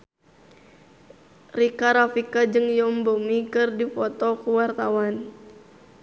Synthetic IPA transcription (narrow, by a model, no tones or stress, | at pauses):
rikaɾafikad͡ʒɨŋjɔmbomikɨrdifɔt̪ɔkuwart̪awan